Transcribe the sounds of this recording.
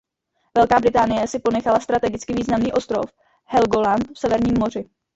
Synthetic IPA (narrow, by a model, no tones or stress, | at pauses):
vɛlkaːbɾɪt̪aːnɪjɛsɪpo̞nɛxalast̪ɾat̪ɛɡɪt͡skɪviːznamniːʔo̞st̪ɾo̞̰f | hɛlɡolant̪fsɛvɛɾɲiːmːo̞r̝ɪ